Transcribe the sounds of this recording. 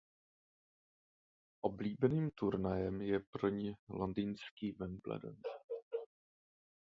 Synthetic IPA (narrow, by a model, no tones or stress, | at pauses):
ʔobliːbɛniːmt̪uɾnajɛmjɛpɾ̩ɲɪlondiːnskiːvɛmblɛ̰dɛ̰n